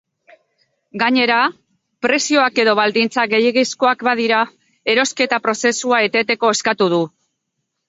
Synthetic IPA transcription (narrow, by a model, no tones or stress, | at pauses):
ɡaɲe̞ɾa | pɾe̞sio̞ake̞ðo̞βald̪int͡saɡe̞jeɣisko̞akbað̞iɾa | e̞ɾo̞ske̞t̪apɾo̞se̞suae̞t̪e̞t̪e̞ko̞e̞skat̪uðu